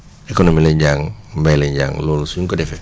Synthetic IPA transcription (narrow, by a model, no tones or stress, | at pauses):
ekonomilɛɲɟaːŋmbajlɛɲɟa̰ːŋloːlsujuŋkɔdɛfɛ